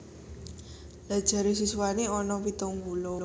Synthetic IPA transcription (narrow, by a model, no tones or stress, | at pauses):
l̥ad̥ʒ̥a̤ɾesiswaneɔnɔpit̪oŋɡulo